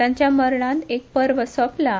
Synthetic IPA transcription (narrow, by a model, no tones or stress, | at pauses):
ãɲt͡ɕjaməɾɳãnt̪ek̚pəɾʋəsɔpla